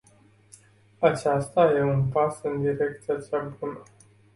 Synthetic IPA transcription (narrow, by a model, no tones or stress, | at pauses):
at͡ʃast̪aje̞unpasɨnd̪iɾe̞k̚t̪sijat͡ʃeabunə